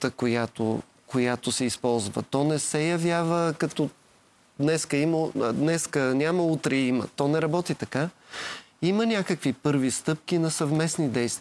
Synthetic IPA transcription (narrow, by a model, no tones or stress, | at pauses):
t̪əkojat̪o̰ | kojat̪ʊsɛispɔlˠzvə̰t̪ɔnɛsɛjɐvʲjavəkɐt̪ɔ | d̪nɛskəiməd̪nɛskənʲaməut̪ɾɛimə̰t̪ɔnɛɾɐbɔt̪it̪ɐka | imənʲakəkvipɤɾvist̪ɤp̚k̟inɐsɐvmɛsnid̪ɛjst̪v